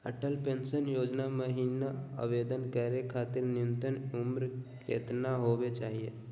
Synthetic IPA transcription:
əʈəlpẽːnsənjoːd͡ʒnaməɦiːnaə̰ʋeːd̪ənkəɾekʰaːt̪ɪɾnɪnt̪ənʊmɾkḛːt̪naɦobet͡ʃaːɦije

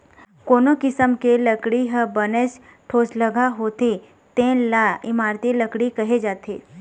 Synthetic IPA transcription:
koːnokɪsəmkeləkɽiɦəbənes | ʈʰoːsləɡaɦoːt̪e | t̪ẽːnlaɪmaːɾt̪iləkɽikɐɦed͡ʒaːt̪ʰeː

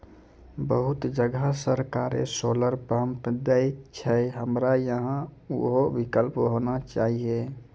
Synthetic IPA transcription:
bəɦut̪d͡ʒəɡasəɾkaɾḛsoləɾpɾəmpd̪əjt͡ʃʰɛɦəmɾajəɦãuɦoʋikəlpɦonat͡ʃaɦie

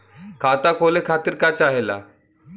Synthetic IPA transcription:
kʰat̪akʰolekʰat̪iːɾkat͡ɕaɦela̰

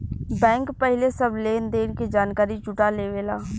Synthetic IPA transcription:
bɛ̃ːŋkpəɦɪlesəbleːnd̪eːɽked͡ʒaːnkaːɾid͡ʒʊʈaleːʋeːlaː

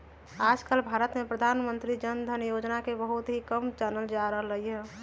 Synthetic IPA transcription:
aːd͡ʒkəlbʱaɾət̪mepɾəd̪ʱaːnmənt̪ɾid͡ʒənd̪ʱənjod͡ʒnakebəɦut̪ɦikəmt͡ʃɛnəld͡ʒaɾəɦləɦiɛ

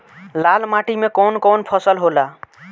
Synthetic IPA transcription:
lalmaʈimekonkonpʰʌsəlɦola

